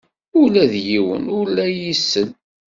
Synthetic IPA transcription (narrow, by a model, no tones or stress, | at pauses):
ʊlæðjiwə̰nʊɾlæjisːən